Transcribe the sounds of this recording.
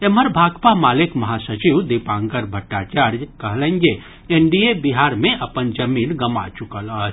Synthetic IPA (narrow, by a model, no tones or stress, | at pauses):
eməɾbʱaːɡpamaːlɪkmɐɦasət͡ʃiʋd̪ipãːŋɡəɾbʱəʈːaːt͡ʃaːɾkəɦlẽŋɡe | enɖiebiɦaːɾmẽʔɐpənd͡ʒɐmiːnɡəma̰t͡ʃʊkələ